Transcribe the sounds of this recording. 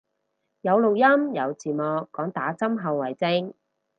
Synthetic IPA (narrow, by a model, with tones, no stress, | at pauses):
jɐ˨˧wlo˨˩wjɐ˥mjɐ˨˧wt͡siː˨˩mɔː˨˧kːɔː˨˥ŋt̪aː˨˥t͡sɐ˥mɦɐ˨˧wːɐ˨˩jt͡sɪ˧ŋ